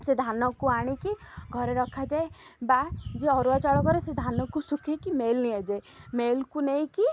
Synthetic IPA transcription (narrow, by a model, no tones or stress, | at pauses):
sed̪ʱanɔkuaɽ̃ikiɡʱɔɾeɾɔkʰad͡ʒaebad͡ʒeɔɾuat͡ʃaɭɔkɔɾesed̪ʱanɔkusukʰekimelniad͡ʒae | melkunej̃ki